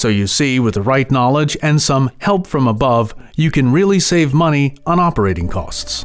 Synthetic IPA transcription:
soʊjɨsiwɨðɨɹaɪtⁿnɑlˠɪd͡ʒɨ̃nsʌ̃mhɛlˠpfɹʌ̃məbʌvjɨkɨ̃nɹɪlˠiseɪvmʌñiə̃ñɑpə˞eɪɾɪ̃ŋkʰɔ̰sts

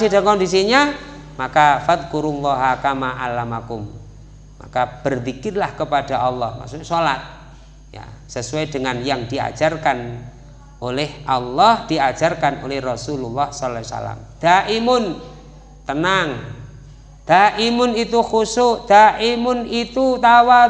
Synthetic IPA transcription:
sidaŋkɔndis̬iɲa | makafaðkuɾulːɔɦakamaʔalamakʊmː | a̰kab̥ərfikɪrlahkəpad̥aʔɑlːɔhma̰ksuɲasolat̪̚ | ja̰səsuajd̥əŋanjaŋd̥ia̰̥d͡ʒ̥arkan | olɛhʔɑlːɔhd̥iḁd͡ʒ̥arkanolɛhrɔsululːɔhsɔlsa̰la̰md̪̥aʔimʊn | t̪ənaŋ | d̪̥aʔimʊnit̪uxusʊʔd̪̥aʔimʊnit̪ut̪awa

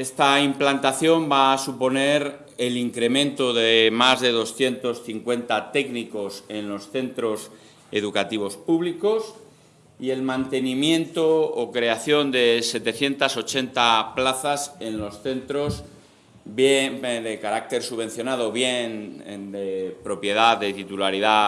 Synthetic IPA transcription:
e̞st̪aimplant̪aθjo̞mbasupo̞ne̞ɾ | e̞liŋkɾe̞mẽnt̪oðemazðe̞ð̞o̞sθje̞nt̪o̞sθiŋkwe̞nt̪at̪e̞kniko̞se̞nlo̞sθe̞nt̪ɾo̞s | e̞ðukat̪iβ̞o̞spuβliko̞s | ie̞lmãnt̪e̞nĩmjẽ̞nt̪oːkɾe̞aθjo̞nd̪e̞se̞t̪e̞θje̞nt̪aso̞t͡ʃe̞nt̪aplaθase̞nlo̞sθe̞nt̪ɾo̞s | bjeðekaɾak̚t̪e̞ɾsuβ̞ẽ̞n̟θjo̞nað̞o̞βje̞n̰d̪epɾo̞pje̞ðaððe̞t̪it̪ulaɾiða

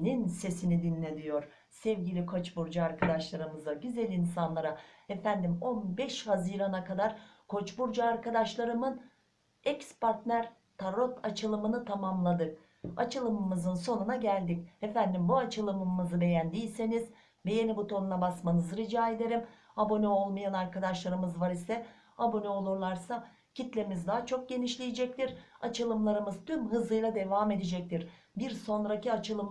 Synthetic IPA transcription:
ninse̞sinid̪inlʲe̞d̪ijo̞ɾ̥ | sɛvɟilʲikʰo̞t͡ʃbuɾd͡ʒaaɾkʰad̪aʃlˠaɾɯmɯzaɟyzælʲinsanlˠaɾaefænd̪imo̞nbɛʃhaziːɾanakʰad̪aɾkʰo̞t͡ʃbuɾd͡ʒaaɾkad̪aʃlˠaɾɯmɯn | ɛcspaɾt̪næɾ | t̪ʰaɾo̞t̪ʰat͡ʃʰɯlˠɯmɯnɯt̪ʰamamlˠad̪ɯk | at͡ʃʰɯlˠɯmɯmɯzɯnso̞nunaɟælʲd̪icefænd̪imbuat͡ʃʰɯlˠɯmɯːɯzɯbe̞jænd̪ijʲse̞niz̥ | be̞jenibut̪ʰo̞nunabasmanɯzɯɾid͡ʒaːe̞d̪e̞ɾim | abo̞nøo̞lˠmajanaɾkad̪aʃlˠaɾɯmɯzvaɾisɛ | abo̞nøo̞lˠuɾlˠaɾsa | cʰit̪lʲemizd̪aːat͡ʃʰo̞k̚ɟe̞niʃlʲijed͡ʒɛc̚t̪iɾat͡ʃʰɯlˠɯmlˠaɾɯmɯzt̪ʰymɦɯzɯjlˠad̪e̞vaːme̞d̪ed͡ʒɛc̚t̪ʰiɾ | biɾso̞nɾaciat͡ʃʰɯlˠɯm

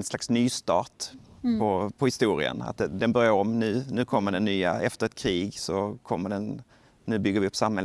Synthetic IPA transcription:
nslaksnyːst̪ɑːt̪pʰɔpʰɔhɪst̪uːɾɪ̰ə̰na̰t̪̚d̪ɛd̪ɛnbœɾjaɾɔmnʉ̟ːnʉ̟ːkʰɔmːəɖɛnːyːa̰ɛft̪əɾɛt̪̚kʰɾiːɡsɔkʰɔmːəɖɛn | nʉ̟ːbʏɡːəɾvɪɵpːsamhɛl

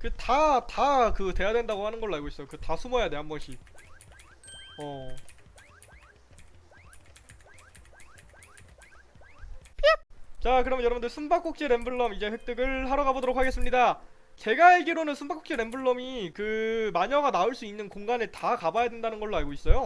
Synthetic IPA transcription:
kɯtatakɯte̞jadwe̞ndaɡohanɯnɡʌɭːoaɭɡois͈ʌjokɯtasʰumojane̞ɦambʌnɕ͈i | ʌ | pʰt͡ɕakɯɾʌmjnjʌɾʌbundɯɭsʰumbak͈ok̚t͡ɕ͈eɾe̞mbɯɭːʌmid͡ʑe̞ɸwe̞k̚t͈ɯɡɯɭhaɾʌɡabodoɾok̚ʰaɡe̞s͈ɯmɲida | t͡ɕe̞ɡaeɡiɾonɯnsʰumbak͈ʰːo̥kt͡ɕ͈eɾe̞mbuɭːʌmikɯmaɲʌɡanaoɭs͈uinːɯnkoŋɡanɯɭtakabajadwe̞ndanɯnɡʌɭːoaɭɡois͈ʌjo

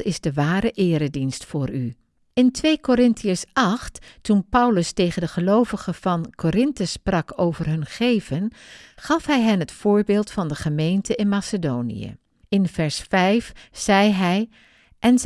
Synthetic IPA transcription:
ɪzdəʋaːɾəʔɪːɾədinstfʊːry | ɪntʋejkoɾɪntiəsɑχtːunpʌwləstejχəndəχəlowvəχəv̥ɑnkʰoɾɪntəsprɑkʰowvərɦɵnχejvənχɑfɦɛjɦɛnɦətfʊːɹbɪːlˠtfɑndəχəmejntəɪnmaːsədownḭjə̰ | ɪnv̥ɛɹsfɛjfz̥ɛjɦɛj | ʔɛn

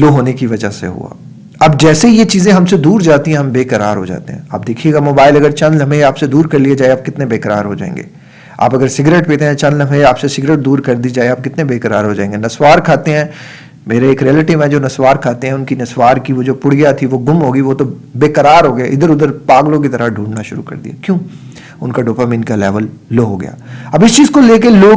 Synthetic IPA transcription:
loɦoːnekiʋɐd͡ʒasḛɦṵa̰ː | ɐb̚d͡ʒɛːseɦijet͡ʃiːzẽɦɐmsed̪uːɾd͡ʒaːt̪iɦɛ̃ɦɐmbeːkɐɾa̰ːɾɦo̰d͡ʒa̰ːt̪ḛɦɛ̃a̰ːp̚d̪eːkʰieːɡamoːbaːɪlɐɡəɾt͡ʃɐ̃nlɐmeaːpsed̪uːɾkɐɾlied͡ʒaːeaːp̚kɪt̪nebeːkɾa̰ːɾɦod͡ʒa̰ːḛ̃ːŋɡḛː | a̰ːpɐɡəɾsɪɡɾeːʈpeːt̪ẽɦɛ̃t͡ʃɐ̃nlɐ̃meaːpsesɪɡɾeːʈ̚d̪uːɾkɐɾd̪iːd͡ʒaːeaːp̚kɪt̪nebeːkɐɾaːɾɦod͡ʒaːẽːŋɡenɐswaːɾkʰaːt̪eɦɛ̃ː | meːɾeeːkɾiɛlɪʈɪʋɦɛ̃d͡ʒoːnɐswaːɾkʰaːt̪eɦɛ̃ʊnkinɐswaːɾkiʋod͡ʒoːpʊɽ̤ɡjat̪ʰiʋoɡʊmɦoːɡiʋot̪o | beːkɐɾaːɾɦoːɡɐjaʔɪd̪əɾʊd̪əɾpaːɡlõk̬it̪ɐɾəɖʱũːɳnaʃʊɾukɐ̰ɾd̪ijakjõː | ʊnkaɖoːpaːmĩnkalɛːʋəlːoːɦoɡɐ̰ja̰ːɐbɪst͡ʃiːzkoleːk̬eloː

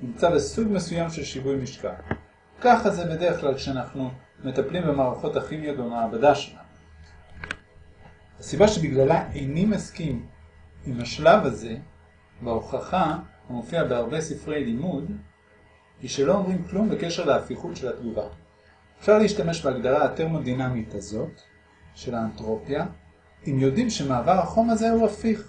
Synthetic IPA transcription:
nimt͡sabe̞suɡme̞sujamʃe̞lʃivujmiʃka̰l | kaχaze̞be̞de̞ʁeχklalkʃeanaχnu | me̞t̪aplimbemaːʁaχo̞taχimijo̞t̪bemaːbadaʃelanu | hasibaʃe̞biɡlalaʔejnimaskimimhaʃlavaze̞ | beoχaχahumofiabeaʁbe̞sifʁe̞jlimud | iʃelo̞omʁimklumbekeʃe̞ʁleafiχutʃe̞latɡuva | efʃaʁleiʃtame̞ʃbeaɡdaʁaate̞ʁmo̞dinamitazo̞t | ʃe̞laːntʁo̞pja | imjo̞dimʃe̞maːvaʁhaχo̞maze̞uafiχ

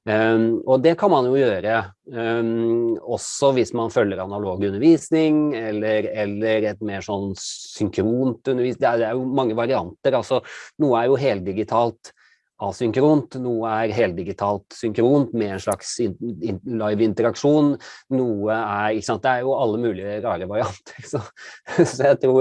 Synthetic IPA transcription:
ɔd̪ɛkʰɑnmɑnjʊjøːɾə | ɔsːɔʋɪsmɑnfœlːəɾɑnɑloːɡʉnəɾʋiːsnɪŋɛlːəɾɛlːəɾɛt̪meːʂɔnːsʏŋkʰɾuːnt̪ʉnːəɾʋiːsd̪ɛæd̪ɛæɾjʊmɑŋːəʋɑɾɪɑnt̪əɾɑlsɔnuːəæɾjʊɦeːlt̪̚d̪ɪɡɪt̪ʰɑːlt̪ | ɑːsʏŋkɾuːnt̪nuːəæɾɦeːl̚d̪ɪɡɪt̪ʰɑːlt̪sʏŋkɾuːnt̪mɛɛnʂɭɑksɪɪnlɑɪʋɪnt̪əɾɑkʂuːnnuːəæɾɪkəsɑnt̪̚d̪ɛæɾjʊɑlːəmʉːlɪəɾɑːɾəʋɑɾɪɑnt̪ʰə̥ɾsɔsɔjæɪt̪ʰɾuː

